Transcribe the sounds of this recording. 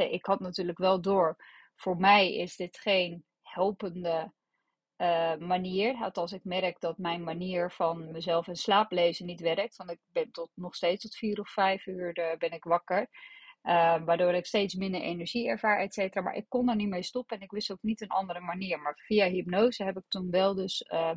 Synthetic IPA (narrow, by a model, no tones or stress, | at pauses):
ɛʔɪkɦɑtnatyːɹləkʋɛlˠdoːɹ | v̥ʊːɹmɛjɪ̰zdɪtχejn | hɛlˠpəndə | əmaniːəɹɦɛtɑlˠs̬ɪkmɛrəkdɑtmɛjnmaniːɹvɑnməzɛlˠfənslaːplejzənitʋɛrək̚tʋɑntɪk̚bɛntɔtnɔχstejtstɔtfiːɾɔffɛjfyːɹdbɛnɪkʋɑkəɹəʋaːɹdoːɾɪkstejtsmɪndəɹʔḛnɛɹʒiɛɹv̥aːɹɛtseːtəraːma̰ːɹʔɪ̰kːɔnəɹnimejstɔpəɛnɪkʋɪstowknitənʔɑ̰ndəɾəmaniːəɹmaːɹfijaɦipnowzəɦɛpɪk̚tunʋɛlˠdɵsə